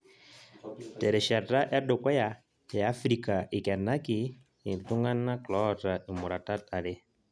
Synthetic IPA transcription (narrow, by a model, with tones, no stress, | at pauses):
tɛ˨ɾɛ˨ʃɛ˨da˦ʔɛ˦dʊ˨kwɛ˦ja˨ | ja˨a˦fɾi˦ka˨ʔɪ˨kɛ˨na˦kɪ˨ | ɪ˨n˨tʊ˦ŋɡa˦nːa˦klɔ˦ta˨ɪ˨mʊ˨ɾa˨ta˦ta˨lɪ˦